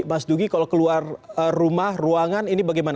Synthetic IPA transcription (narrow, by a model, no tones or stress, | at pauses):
masduɡikalokəluarərumahruaŋaninibaɡajman